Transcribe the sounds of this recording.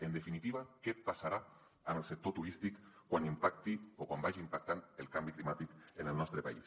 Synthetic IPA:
end̪efinit̪iβ̞akepasaɾa | anelsek̚t̪ot̪uɾist̪ikkːwanimpakt̪iokwambajʒimpak̚t̪anelkambiklimat̪ikenelnɔst̪ɾepais

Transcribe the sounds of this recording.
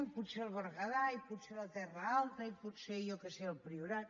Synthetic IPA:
mput̪seəlˠβəɾɣəðajiput̪selət̪ɛrəalˠt̪əiput̪seʎokeseəlˠpɾiuɾa

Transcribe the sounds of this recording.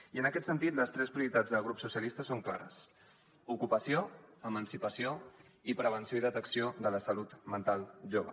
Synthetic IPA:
iənəkɛt̪sənt̪it̪ləst̪ɾɛspɾiuɾit̪ad͡zðəlˠɣ̞ɾupsusiəlist̪əsoŋkla̰ɾə̰s | ukupəsioəmənsipəsio | ipɾəβ̞ənsioiðət̪əksioðələsəlut̪mənt̪alˠʒoβə̰

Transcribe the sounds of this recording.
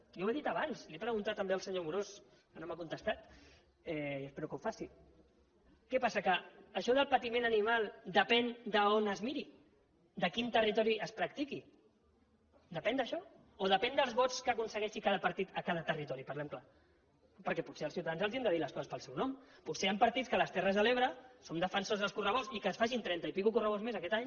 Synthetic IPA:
jaweðit̪ɐβansliepɾəɣunt̪at̪ːəmbeəlˠsəɲomuɾos | kənomakunt̪əst̪at̪ | ɛiəspɛɾukəufasi | kɛpasəkəːʃɔðəlˠpət̪imẽnənimalˠd̪əpɛnd̪əonəzmiɾi | d̪əkint̪ərit̪ɔɾiəspɾək̚t̪iki | d̪əpɛnd̪əʃɔ | oðəpɛnd̪əlˠzβɔt͡skəkunsəɣɛʃikaðəpəɾt̪it̪əkaðət̪ərit̪ɔɾipəɾlɛmkla | pəɾkɛputseəlsiuwt̪aanzəlˠziɛnd̪əðiləskɔzəspəlˠsɛwnɔmpuseampəɾt̪it͡skələst̪ɛrəzðəleβ̞ɾəsomd̪əfənsozðəlˠskurəβozikəsfaʒint̪ɾɛnt̪əipikukurəβ̞ozmezəkɛt̪aɲ

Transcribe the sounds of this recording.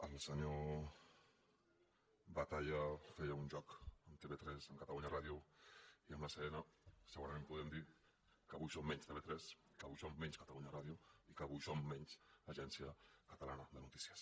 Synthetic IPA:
əlsəɲo | bat̪aʎafɛjauɲʲʒɔkəmt̪eβet̪ɾɛsəŋkat̪aluɲaraðjuiəmlasəenasəɣuɾamẽmpuðɛmd̪i | kəɣujsomːɛɲst̪eβet̪ɾɛskəaɣujsomːɛɲskat̪aluɲaraðjuikəɣujsomːɛɲzaʒɛnsjəkət̪alanəðənut̪i̥sjəs

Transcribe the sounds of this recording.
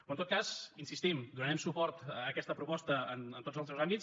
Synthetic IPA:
oənt̪ot̪̚kazinsist̪imd̪unənɛmsupɔɾt̪ːkɛst̪əpɾupɔst̪əənənt̪otzəlˠsɛwzambits

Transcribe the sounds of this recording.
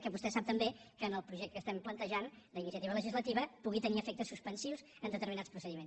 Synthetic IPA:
kɛβust̪ɛsap̚t̪əmbekəːnəlˠpɾuʒɛk̚t̪əkːəst̪ɛmplənt̪əʒan | d̪əinisiət̪iβələʒizlət̪iβəpuɣit̪əniəfɛk̚t̪əsuspənsiwzənd̪ət̪əɾminaspɾusəðimens

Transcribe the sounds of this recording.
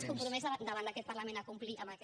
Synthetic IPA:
skumpɾumɛzad̪əβanakɛt̪̚pərlamẽnakumpliʔəmak

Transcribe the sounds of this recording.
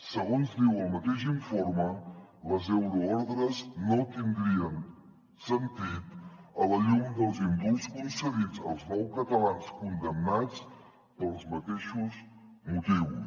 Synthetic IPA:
səɣonzd̪iwəlˠmət̪eʃiɱfoɾmələzɛwɾuɔɾðɾəznot̪ind̪ɾiən | sənt̪it̪ələʎumd̪əlˠzimbulˠskunsəðid͡zəlˠznɔwkət̪əlanskund̪əmnat͡s | pəlˠzmət̪eʃuzmut̪iw

